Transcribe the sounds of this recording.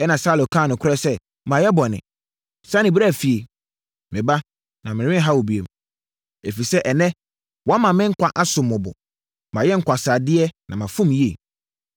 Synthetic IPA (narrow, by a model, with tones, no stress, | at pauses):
ɛ˦nã˨saː˦lo˨kʰãː˦˨nʊ̃˨kʰʊ˦ɾɛ˦sɛ˦ | mã˨jɛ˦bɔ˨nɪ̰̃˨ | sã˦nɪ̃˨bɾa˦˨fi˨e˨ | mɪ̃˨ba˦ | nã˨mɪ̃˨ɾɪ̃˦ɦa˦wo˨bi˨ḛ˨m | e˨fi˨sɛ˦ʔɛ˨nɛ̃˦ | wɔ˨˦a˦mã˨mɪ̃˦ŋ̩˦kʷʰa˨ʔa˦sʊ̃˨mːʊ̃˨bɔ̰˨ | mã˨jɛ˦ŋ̩˦kʷa˨saː˨dɪ˦ɛ˦nã̰˨mã˨fʊ̃˦mje˨